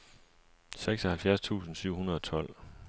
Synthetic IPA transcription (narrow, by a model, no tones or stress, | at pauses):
seɡ̥sɒhælfjæɐst͡sʰṵːsn̩syʊ̰hunɐð̞ˠɒ̽t͡sʰɒ̽l̰